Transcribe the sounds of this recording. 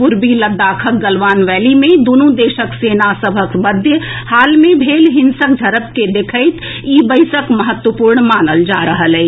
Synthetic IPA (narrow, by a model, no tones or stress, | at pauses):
pʊɾbiləd̪aːkʰək̚ɡəlʋaːnʋɛːlimẽd̪onũd̪eːʃəkseːnasəbʱəkməd̪ʱjəhaːlmẽbʱeːlɦɪnsək̚d͡ʒʱəɾəp̚ked̪ekʰəɪt̪ | iːbəɪsəkməɦət̪wəpuːɾɳmaːnəld͡ʒaːɾəɦəlɛ